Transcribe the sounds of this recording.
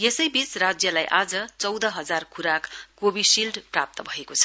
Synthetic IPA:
jesʌjbit͡srad͡zjʌlajʔad͡zʌt͡sʌwd̪ʌɦʌd͡zarkʰuɾakɡobisilɖprap̚t̪ʌbʱʌekot͡sʰʌ̥

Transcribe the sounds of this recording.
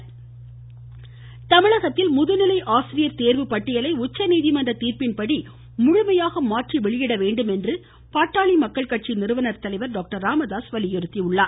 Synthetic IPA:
t̪ɐmɪɭɐɣɐt̪ːɪlmʊðɯnɪlɐɪʔaːsɪɾɪjɐɾt̪eːɾʋɯpɐʈːɪjɐlɐɪʊt͡ʃːɐniːðɪmɐndrɐt̪iːɾpɪnpɐɽi | mʊɻʊmɐjaːɣɐmaːʈriʋɛɭɪjɪɽɐʋeːɳɖɯmɛndrɯ | paːʈːaːɭimɐkːɐɭkɐʈ̚t͡ʃinɪɾɯʋɐnɐɾt̪ɐlɐɪʋɐɾɖoːk̚ʈɐɾaːmɐðaːsʋɐlɪjɪɾɯt̪ːiʊɭːaːɾ

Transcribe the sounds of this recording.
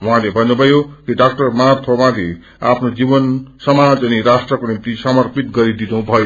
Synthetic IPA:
wuɦãlebʱʌnːubʱʌjokiɖak̚ʈʌrmat̪ʰowãd̪e | apʰnod͡zibʌnsʌmad͡zʌniɾasʈrʌkonimt̪isʌmʌrpit̪ɡʌɾid̪inubʱʌjo

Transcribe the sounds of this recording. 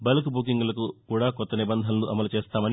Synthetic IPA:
bɐlɐkbuk̬iŋɡulɐkukuːɽaːkɔt̪ːɐnibɐnd̪ʱɐnɐluʔɐmɐlut͡ʃeːst̪aːmɐni

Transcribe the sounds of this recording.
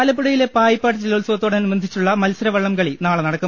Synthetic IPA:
lɐpːuɽɐjilepaːjipːaːʈ̬ːɨt͡ɕiloːlsoːt̪ːoːɽɐɐnumɐnd̪ʱit͡ɕːuɭːɐmɐlsɐɾɐʋɐɭːɐmkɐɭinaːɭɐnɐɽɐkːu

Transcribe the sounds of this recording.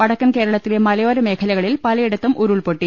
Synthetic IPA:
pɐɽɐkːɐnke̞ːɾɐɭɐt̪ːilemɐlɐjoːɾɐme̞ːkʰɐlɐɣɐɭilpɐlɐjiɽɐt̪ːumʔuɾuɭpoʈːi

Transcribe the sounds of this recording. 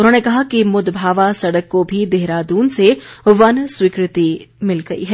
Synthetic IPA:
ʊnɦoːnekɐɦakimʊd̪bʱaːʋasɐɽəkːobʱid̪eɦɾad̪uːnseʋɐnswikɾɪt̪imɪlɡɐḭɦɛː

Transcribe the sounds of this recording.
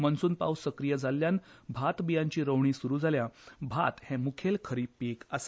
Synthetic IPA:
mənsuːnpa̰wsəkɾijəd͡zʱaljanbʱat̪bijãɲt͡ɕiːɾəwɳ̃iːsuɾuːd͡zʱaljabʱa̰t̪hɛ̃mukʰelkʰəɾiːpekasḁ

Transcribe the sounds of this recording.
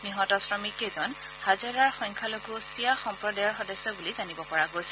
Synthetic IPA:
niɦɔtɔsɹɔmikezɔn | hazɔɹaɹxɔŋkʰaloɡuɔsijaxɔmpɹɔdajɔɹxɔdɔsːɔbulizanibɔpɔɹaɡojsɛ̥

